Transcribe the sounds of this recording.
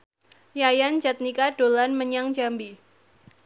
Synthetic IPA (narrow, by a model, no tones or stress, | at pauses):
jajand͡ʒat̪̚nikadolanməɲaŋd͡ʒambi